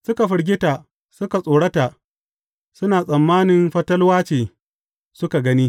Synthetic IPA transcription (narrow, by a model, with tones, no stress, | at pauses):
sʊ˦ka˨ɸʊ˨ɽɡʲɪ˦ta˨ | sʊ˦ka˨sʼoː˨ɽɐ˦ta˨ | sʊ˦naː˨sʼɐ˨mːaː˦nɪ˨mɸɐ˦tɐ˦lwaː˦t͡ʃeː˨ | sʊ˦ka˨ɡɐ˦niː˦